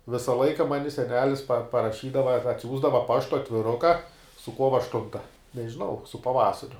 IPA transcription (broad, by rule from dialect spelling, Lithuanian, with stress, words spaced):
ˈʋʲɪsɐ ˈlˠɐɪkɐ ˈmɑːnʲɪ sʲɛˈnʲæːlʲɪs pɐ pɐrɐˈʃʲiːdɐʋɐ ɐr ɐtʲˈsʲuːzdɐʋɐ ˈpɑːʃtʊ ɐtʲʋʲɪˈrʊkɐ sʊ ˈkuɔʋɐ ɐʃˈtʊntɐ nʲɛʒʲɪˈnɐʊ sʊ pɐˈʋɑːsɐrʲʊ